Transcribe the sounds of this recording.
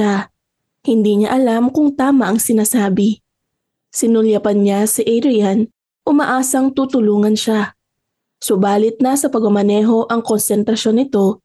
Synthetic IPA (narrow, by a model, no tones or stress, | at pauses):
a | hɪnd̪iɲa̰ʔɐlamkʊŋt̪aːmɐʔɐŋsɪnaːsaːbɪ | sɪnʊljɐpɐnɲasɪʔɛjɾɪjan | ʔʊmɐʔaːsɐŋt̪ut̪ʊluːŋɐnʃa | sʊbaːlɪt̪̚nɐsɐpɐɡʊmɐnɛːɦo̞ʔɐŋko̞nsɛnt̪ɾɐʃo̞nɪt̪o̞